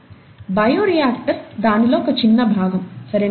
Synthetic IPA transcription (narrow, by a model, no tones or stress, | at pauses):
bɐjoːɾijaːkʈɐɾd̪aːniloːkɐt͡ʃinːɐbʱaːɡɐmsɐɾe